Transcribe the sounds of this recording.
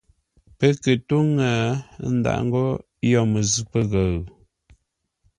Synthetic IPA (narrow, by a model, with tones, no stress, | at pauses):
pə˦kə˨tu˦ŋa˨˦n̩˦da̰˨ʔŋ̩˦ɡɔ˦ | jɔ˦˨mə˨zʉ˦pə˦ɣə˨ɣ